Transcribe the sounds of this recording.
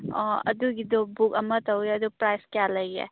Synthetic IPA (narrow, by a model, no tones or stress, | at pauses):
ɐ̰duɡid̪ɔbukɐmɐtɐweɐd̪upɾajskejalɐjḛ